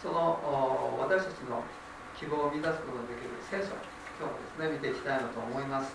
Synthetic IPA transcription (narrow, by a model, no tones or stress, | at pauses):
so̞no̞βat̪aɕi̥t̪at͡ɕino̞̰ | kʲibo̞ːmʲizasɨ̥ko̞t̪oɡad̪ekʲiɾɯ̟sẽ̞ːɰɕo̰ɲʲ | so̞ːd̪e̞sɨne̞mʲit̪e̞ikʲit̪ainot̪o̞ːmo̞imasɨ̥